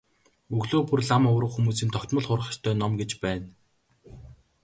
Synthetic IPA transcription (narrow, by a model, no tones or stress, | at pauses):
ɵɣɮoːpurɮamɔwɾə̆χxumuːs̬iːnt̪ʰɔw̥t̪mə̆ɮχʊrʁə̆ʃt̪ʰœːnɔmɡet͡ɕpæːn